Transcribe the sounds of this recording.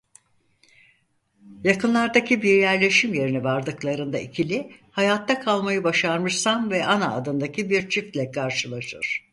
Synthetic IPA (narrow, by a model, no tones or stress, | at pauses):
jakɯnlˠaɾd̪acʰibiɾjæɾlʲe̞ʃimje̞ɾinɛvaɾd̪ɯklˠaɾɯnd̪aicʰilʲɪhajat̪ʰːakʰalˠmajɯbaʃaɾmɯʃsanvɛʔanaːd̪ɯnd̪acʰibiɾt͡ʃʰift̪lʲɛkʰaɾʃɯlˠaʃɯɾ̥